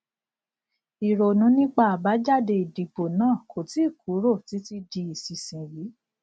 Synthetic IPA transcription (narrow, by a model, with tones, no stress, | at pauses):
i˨ɾo˨nũ˨˦nĩ˦k͡pa˧a˨ba˨˦d͡ʒa˦˨de˧i˨di˨bo˨nãː˦˨kʰo˨ti˨˦˨ku˨˦ɾo˦˨ti˨˦ti˧di˧i˨si˨sĩ˨wi˨˦